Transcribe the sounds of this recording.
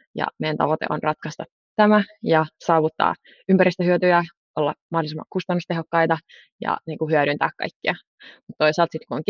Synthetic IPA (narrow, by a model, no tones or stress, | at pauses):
jɑ̰mejænt̪ɑ̰ʋot̪ḛʔo̰nrɑt̪kɑst̪ɑ | t̪æmæjɑsɑːʋut̪ːɑ̰ː | ympæɾist̪əɦyøt̪yjæ | ʔolːɑ̰mɑhdolisemːɑ̰kust̪ɑnːust̪eɦokːɑjt̪ɑ | jɑ̰niːŋkuhyæɾynt̪æ̰ːkkɑ̰jkːiɑ | mut̪t̪oisɑːlt̪sit̪kuoŋk